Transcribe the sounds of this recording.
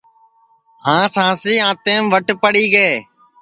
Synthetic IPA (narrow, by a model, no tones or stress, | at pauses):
hãːsãːsiːãːt̪eːmʋəʈpəɽiːɡeː